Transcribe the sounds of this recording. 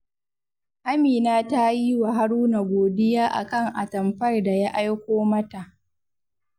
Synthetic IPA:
ʔa˦miː˨naː˦ta˦ji˦wa˨ɦa˦ɽuː˦na˨ɡʷoː˨dɪ˦jaː˦ʔa̰˨kɐ˦˨ŋʔa˨tɐ˨mɸɐ˦rda˨ja˦ʔa˦jkʷoː˦mɐ˦ta˨ʔ

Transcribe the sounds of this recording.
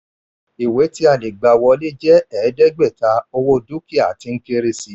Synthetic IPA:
i˨we˨˦ti˦a˦˨le˨ɡ͡ba˨˧wɔ˧le˦d͡ʒɛ˦ɛ˨˦dɛ˦ɡ͡bɛ˦˨ta˧˦o˧wo˧du˦ki˦˨a˨ti˧ŋ̩˦ke˧ɾe˧si˧˦

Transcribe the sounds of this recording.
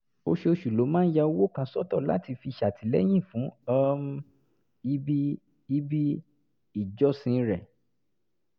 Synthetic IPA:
o̰˧ʃe˧o˧ʃu˨lo˨˦mãː˦n̩˦ja˧o˧˦wo˦˨kã˧sɔ˦˨tɔ˦˨la̰˨˦ti˧fi˧ʃa˨tʰi˨˦lɛ̰˦j̃ĩ˦˨fũ˨˦ɔ˦m˦ | i˦bi˦ | i˦bi˦ | i˦˨d͡ʒɔ˦sĩ˧˦ɾɛ˨

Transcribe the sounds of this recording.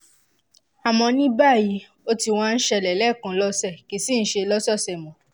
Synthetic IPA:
a˨mɔ̃˧nĩ˦ba˦˨ji˨˧ | o˦ti˧w̃ã˦˧n̩˦ʃɛ˧˨lɛ˨lɛ˦˨kã˧lɔ˦sɛ˦˨ki˨˦si˦˨n̩˦ʃe˧lɔ˦sɔ˦˨sɛ˨mɔ̃˨

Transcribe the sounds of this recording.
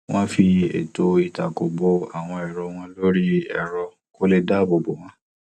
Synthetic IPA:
w̃ɔ̃˦fi˧ḛ˨to˧i˨ta˨ko˨bo˧a˨w̃ɔ̃˧ɛ˨ɾɔ˨˧w̃ɔ̃˦lo˦ɾi˦ɛ̰˦˨ɾɔ˧ | ko˦le˦da˦˨bo˨˧bo˨w̃ã˦

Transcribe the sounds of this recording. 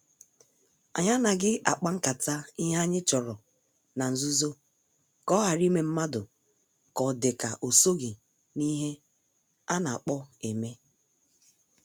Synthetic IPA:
a̰˨ɲa˦na˨ɡɪ˦a̰˨k͡pa˦ŋ̩˦ka˨ta˦ɪ˦ɦa˦ɲɪ˦t͡ʃɔ˨ɾɔ˨ | na˨n̩˨zu˦zo˦ | kɔ˦ɦa˨ɾi˦me˦m̩˦ma˦dʊ˨ | kɔ˨dɪ˨ka˨ʔo˨so˦ɡɪ˨ | ni˦ɦe˦ | a˦na˨a˨k͡pɔ˦e˨me˦

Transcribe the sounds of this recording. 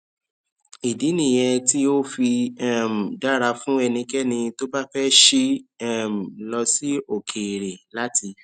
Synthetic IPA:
i˨di˨˦nĩ˦˨j̃ɛ˧ti˦o˦fi˧a˦m̩˨da˦˨ɾa˧fũ˦ɛ˧nĩ˧kɛ˦nĩ˧to˦ba˦fɛ˦ʃi˦ɛ˦m̩˨lɔ˧si˦o˨kʰe˨ɾe˨la˦ti˧

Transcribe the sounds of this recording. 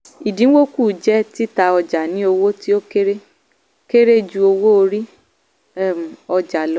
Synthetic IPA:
i˨dĩ˨˦wo˦ku˦˨d͡ʒɛ˦ti˦ta˧ɔ˧d͡ʒa˨nĩ˨˦o˧wo˦ti˦o˦ke˦ɾe˦ | ke˦ɾe˦d͡ʒu˧o˧wo˦o˧ɾi˦ | m˨ɔ˧d͡ʒa˨lɔ˦

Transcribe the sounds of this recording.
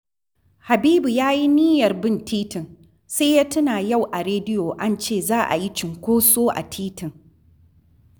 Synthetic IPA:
ha˨biː˦bu˨jaː˦ji˦niː˦jɐ˨rbɪ˦˨ntʰiː˦tɪ˨ŋ | se˦jaː˦tʊ˦naː˨ja˦˨wʔa˨ɾeː˦dɪ˦joː˨ʔa˦nt͡ʃeː˦˨zaː˦ʔa̰˨ji˦t͡ʃɪ˨ŋkʷoː˦soː˦ʔa̰˨tʰiː˦tɪ˨ŋ

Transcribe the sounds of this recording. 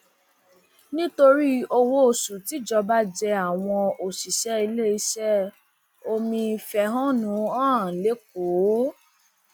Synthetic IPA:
nĩ˦to˧ɾi˦o˧wo˧o˨su˨ti˨˦d͡ʒɔ˧ba˦d͡ʒɛ˧a˨w̃ɔ̃˧o˨si˨ʃɛ˨˦i˧le˦i˧ʃɛ˦ | o˧mĩ˧fɛ˧˨ɦɔ̃˦nũ˨˦ãː˦˨le˨˦k̚o˨˦

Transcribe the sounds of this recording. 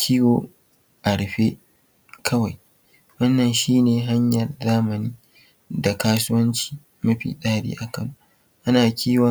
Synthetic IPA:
kʲʰiː˦woː˨ | ʔa˨ɽɸe˦ | kʰɐ˦wa˨j | wɐ˦nːɐ˨nʃiː˦neː˨ɦa˦ɲjɐ˨rzaː˦mɐ˨niː˦ | da˨kaː˦sʊ˦wɐ˦nt͡ʃi̥ː˨ | mɐ˦ɸḭː˨ɗaː˦ɽḭː˦ʔa˨kɐ˨nu˦ | ʔa˦naː˨kʲʰiː˦wɔ˨

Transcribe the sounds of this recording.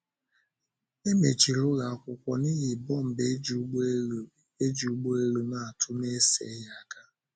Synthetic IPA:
e˦me˨t͡ʃi˨ɾʊ˦ɣa˨kʷʊ˨kʷɔ˨ni˦ɣɪ˨bɔ˦m̩˨be˨˦˨ | e˦d͡ʒu˨u˨˦ɡ͡bo˦e˦ɾu˦na˦a˨tʰʊ˦ne˦sḛ˨˦ja˦˨ka˦

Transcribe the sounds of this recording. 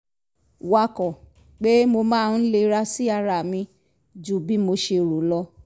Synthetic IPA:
wa˧kɔ˨ | k͡pe˦mo˧mãː˦˧n̩˦le˧ɾa˧si˦a˧ɾa˨mĩ˧ | d͡ʒu˨˦˨bi˦mo˧ʃe˧˨ɾu˨lɔ˧

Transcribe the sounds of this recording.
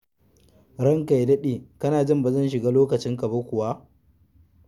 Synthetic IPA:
ɾɐ˦ŋka˨jdɐ˦ɗeː˨kɐ˦naː˨d͡ʒɪ˦mba˨zɐ˦˨nʃɪ˨ɡaː˦loː˦kɐ˨t͡ʃɪ˦ŋkɐ˨bɐ˦kʷʊ˨wa˦ʔ

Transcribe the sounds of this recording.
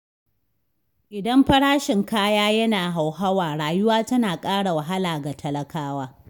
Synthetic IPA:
ʔɪ˨dɐ˦mɸɐ˦ɽaː˦ʃɪ˨ŋkaː˦jaː˦jɐ˦naː˨ɦa˨wɦa˦waː˨ɽaː˨jʊ˦waː˦tɐ˦naː˨kʼaː˦ɽa˨wɐ˨ɦa˦laː˨ɡa˨tʰɐ˨lɐ˨kaː˦waː˦

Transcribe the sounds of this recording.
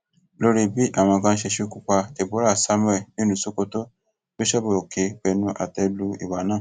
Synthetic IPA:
lo˦ɾi˦bi˦ʔa˦˨w̃ɔ̃˧kã˧˦ʃe˧ʃe˦ku˦k͡pa˧te˨bo˨˦ɾa˦˨sa˦mwɛ˦˨nĩ˦nũ˨˦so˦ko˧to˦ | bo˦ʃɛ˦bo˨ke˨˦k͡pɛ˧nũ˦ʔa̰˨tɛ˧lu˦ḭ˨wa˨˦nãː˦˨

